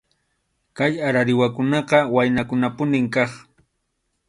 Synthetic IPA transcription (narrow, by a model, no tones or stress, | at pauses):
kajaɾaɾɪwakʊnɑqɑwajnakʊnapʊnɪmkɑχ